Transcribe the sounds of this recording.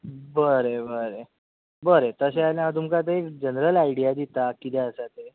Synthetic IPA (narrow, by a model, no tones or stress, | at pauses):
bəɾebəɾe | bəɾet̪əɕealjãt̪umkat̪̬əekd͡ʑənɾəlaiɽijad̪it̪akit̪ɛəsat̪e